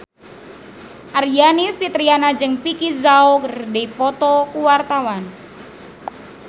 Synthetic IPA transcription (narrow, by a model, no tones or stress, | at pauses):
ʔarjanifit̪ɾianad͡ʒəŋpikizaokərdeipɔt̪ɔkuwart̪awan